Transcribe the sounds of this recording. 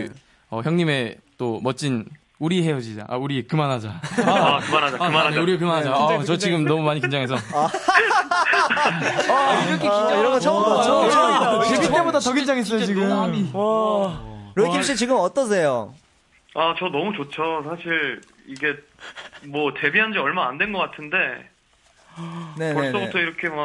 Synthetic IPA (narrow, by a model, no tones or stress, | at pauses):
ʌçjʌŋɲime̞t͈omʌt͡ɕ͈in | uɾiɦe̞jʌd͡ʑid͡ʑa̰ʔa̰uɾikɯmanɦad͡ʑakɯmanaaaɯmaaɲeuɾiekɯmanɦad͡ʑat͡ɕʌt͡ɕiɡɯmnʌmumaɲikind͡ʑaŋɦe̞s̬ʰʌa | kʰeiiɾʌŋɡʌt͡ɕʰaʌʌo | iit͈ebodatʌɡind͡ʑaŋɦes̬͈ʌjot͡ɕiɡɯa | ɾoikʰimɕ͈it͡ɕiɡɯmʌt͈ʌs̬ʰe̞jo | at͡ɕʌnʌmut͡ɕot͡ɕʰosʰaɕʰiɾ | iɡe̞ | mwʌte̞biɦand͡ʑiʌɭmaaandwenɡʌk͈atʰɯnde̞ | ne̞ʌs͈obutʰʌiɾʌkʰe̞ma